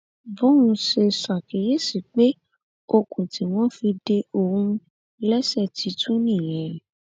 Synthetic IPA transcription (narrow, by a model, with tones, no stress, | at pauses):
bɔ̃˦ũ˧ʃe˧sa˨ke˨je˦si˨k͡pe˦ | o˧kũ˨ti˨˦w̃ɔ̃˦fi˧de˧o˧˨hũ˧ | lɛ˦sɛ˦˨tʰi˨˧˦tũ˦nĩ˦˨j̃ɛ̃˨˦